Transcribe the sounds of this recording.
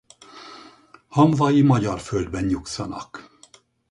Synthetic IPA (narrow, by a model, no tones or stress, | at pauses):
hɒmvɒjimɒɟɒrføld̪bɛnjuksɒnɒ̰k